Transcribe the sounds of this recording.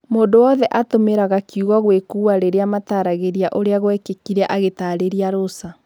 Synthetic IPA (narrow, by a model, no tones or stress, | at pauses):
moːndowɔðɛʔatomeɾaɣakiuɣɔɣwekuaɾeɾeamataɾaɣeɾjaʔoɾeaɣwɛkekiɾɛʔaɣetaːɾeɾiaɾosa